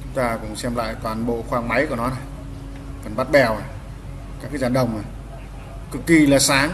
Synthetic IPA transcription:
t͡ɕʊ˨˦ŋ͡mt̪aː˧kʊ̰˧˥ŋ͡msɛ˧mla̰ː˧˨jt̪waː˨˩nɓo̰˧˨xwaː˧ŋma˨˦jku˧˩nɔ˨˦na˨˩j | kɔ˨˩nɓa˦˥t̚ɓɛ˨˩wa˨˩ | kaː˦˥kaː˨˦jzaː˨˩ɗə˨˩wŋ͡mna˨˩j | kɨ˨˩kːi˧˩laː˨˩saː˨˦ŋ

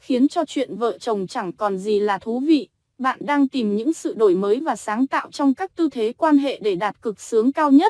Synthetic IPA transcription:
xi˨˦ənt͡ɕɔ˧t͡ɕwḭ˧˨ənvə̰ː˧˨t͡ɕə˨˩wŋ͡mt͡ɕa˧˩ŋkɔ˨˩nzi˨˩laː˨˩t̪ʰu˨˦vḭ˧˨ | ɓa̰ː˧˨nɗaː˧ŋt̪i˨˩mɲɨ̰˧˥ŋsɨ̰˧˨ɗo˧˩jməː˨˦jvaː˨˩saː˨˦ŋt̪a̰ː˧˨wt͡ɕɔ˧wŋ͡mkaː˦˥k̚t̪ɨ˧t̪ʰe˨˦kwaː˧nɦḛ˧˨ɗe˧˩ɗaː˨˩t̚kɨ˨˩k̚sɨ˨˦əŋkaː˧wɲə˦˥t̚

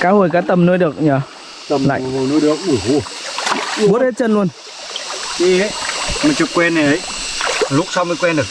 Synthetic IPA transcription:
kaː˨˦ho˨˩jkaː˨˦˥t̪ə˨˩mnəː˧jɗɨ˨˩ə˩k̚ɲəː˨˧˦ | t̪ə˨˩la̰ː˧˨˧nəː˧jɗɨ˨˩ək̚u˧˩ɦu˧˩ | ɓu˨˦˥t̚he˦˥t̚t͡ɕə˧nlu˧ən | ɗi˧e˨˦jmɨː˨˩t͡ɕɨ˨˩kːwɛ˧nːə˨˩jʔə˨˦jlʊ˦˥k͡p̚sa˧wmə˧˩kwɛ˧nɗɨ˨˩

